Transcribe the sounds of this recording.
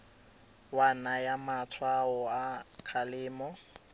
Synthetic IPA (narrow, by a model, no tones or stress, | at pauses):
wanajamatʰwaɔakʰalɪːmɔ